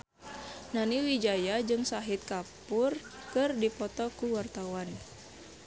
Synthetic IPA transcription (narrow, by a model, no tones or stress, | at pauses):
naniwid͡ʒajad͡ʒɨŋsaɦit̪̚kapurkɨrdipɔt̪ɔkuwart̪awan